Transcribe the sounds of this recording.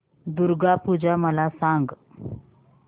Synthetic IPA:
d̪uɾɡapud͡ʑaməlasaŋɡ

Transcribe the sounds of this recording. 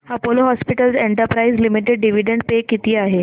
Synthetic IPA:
hapoloɦɔspiʈəlseɳʈəɾpɾaizlimiʈeɖɖiʋiɖeɳɖ̚pekit̪iːaɦe

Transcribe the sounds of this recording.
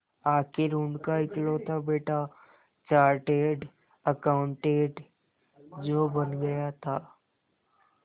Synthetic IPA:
aːkʰeɾʊɳɖkaɪklot̪ʰabeːʈa | t͡ʃaːɾʈeːɖ | əkaʊ̃ɳʈeːʈ | d͡ʒoːbɐnɡɐjat̪ʰaː

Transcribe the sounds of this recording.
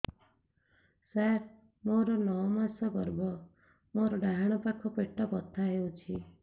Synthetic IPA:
saɾ | moɾɔnɔwmasɔɡɔɾbɔ | moɾɔɖaɦaɽ̃ɔpakʰɔpeʈːɔpɔt̪ʰːaɦewt͡ʃʰi

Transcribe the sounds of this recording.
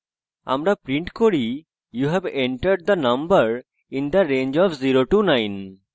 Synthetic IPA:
a̰mɾapɾĩɳʈkoɾi | juɦɛbẽɳʈəɾɖ̚d̪ənɐ̃mbəɾ | ĩnd̪əɾẽnd͡ʒɔfziɾoʈunãjn

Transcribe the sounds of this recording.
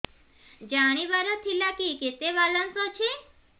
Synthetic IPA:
d͡ʒaɽ̃ibaɾɔt̪ʰilakiket̪eʋalənsot͡ʃʰe

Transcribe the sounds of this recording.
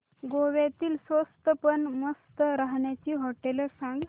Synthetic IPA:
ɡoʋjat̪iːlsʋost̪əpəɳməst̪əɾaɦɳjat͡ɕiːɦɔʈeləsãŋɡ

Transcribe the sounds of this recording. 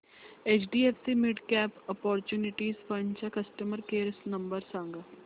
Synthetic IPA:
eːt͡ʃɖiːeːpʰsiːmɪɖkɛːpɔpɔːɾt͡ʃuːnɪʈiːzpənt͡ʃaːkəsʈəməɾkeːɾsnəmbəɾsə̃ŋɡ

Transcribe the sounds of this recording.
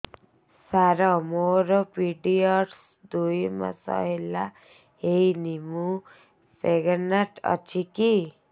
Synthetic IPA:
saɾɔmoɾɔpiɖiɔʈs | d̪ujma̰sʌ̰ɦela | ɦejnimu | seɡanaʈʌ̰t͡ʃʰiki

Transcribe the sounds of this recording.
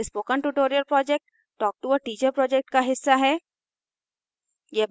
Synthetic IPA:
spoːkə̃nʈuʈoːɾijəlpɾɔːd͡ʒek̚ʈː | ɔːk̚ʈuəʈiːt͡ʃəɾpɾɔːd͡ʒɛk̚ʈkaɦɪsːaɦɛː | jeb

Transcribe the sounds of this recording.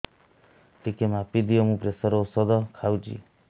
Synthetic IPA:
t̪ikemapid̪ʱiɔmũpɾesɔɾoːsɔd̪ɔkʰawd͡ʒḭ

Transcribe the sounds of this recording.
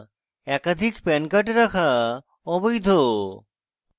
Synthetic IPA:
ɛkad̪ʱikpɛnkaʈeɾakʰa | ɔbojd̪ʱo

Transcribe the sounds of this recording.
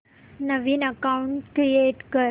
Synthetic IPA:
nəʋiːnəkauɳʈkɾijeʈkəɾ

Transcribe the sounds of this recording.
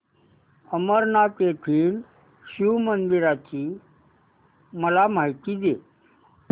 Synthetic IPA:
əməɾnakeʈʰiːl | sumənd̪iɾat͡ɕi | məlamait̪ide

